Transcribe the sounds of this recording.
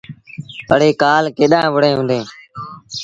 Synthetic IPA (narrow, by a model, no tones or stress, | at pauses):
pəɽ̤eːkaːlkeːɗãːʋʊɽẽːɦũːnd̪eː